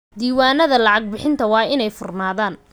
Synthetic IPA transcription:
d̪iːwaːnɐðɐlɑʕɑɡ̚bɪħɪnt̪ʰɐwɑːɪnɛjfʊrnaːðaːn

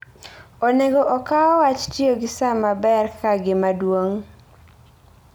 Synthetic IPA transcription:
oneɡoʔɔkaɔwat͡ʃtioɡɪsamabɛrkaɡɪmadwoŋ

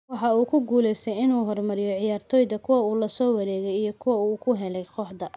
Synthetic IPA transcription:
wɑħɑuːkʰʊɡuːlɛjst̪ʰɛjɪnuːɦɔrmɐɾɪjɔʕɪjaːrt̪ʰɔːjðɐkʰʊwɐuːlɐsɔːwɑɾɛːɣɛjijɞkʰʊwɐuːkʰʊɦɛlɛjqɔħd̪ɐ

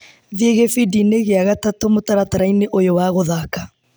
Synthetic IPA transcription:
ðieɣefidineɣeaɣatatomotaɾataɾaineʔojowaɣoðaːka

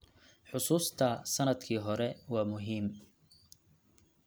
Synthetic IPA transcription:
ħʊsuːst̪ʰɐsɐnɐd̪kʰiːɦɔɾɛwɑːmʊɦiːm

